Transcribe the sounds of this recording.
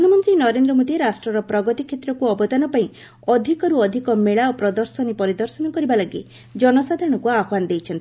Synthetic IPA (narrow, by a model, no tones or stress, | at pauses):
munɔmɔnt̪ɾinɔɾend̪ɾɔmod̪ieɾasʈɾɔɾɔpɾɔɡɔt̪ikʰet̪ɾɔkuɔbɔt̪anɔpaĩ | ɔd̪ʱikɔɾuɔd̪ʱikɔmeɭaɔpɾɔd̪ɔɾsɔnipɔɾid̪ɔɾsɔnɔkɔɾibalaɡḭ | d͡ʒɔnɔsad̪ʱaɾɔɽ̃ɔkuaɦwanɔd̪ejt͡ʃʰɔnt̪i̥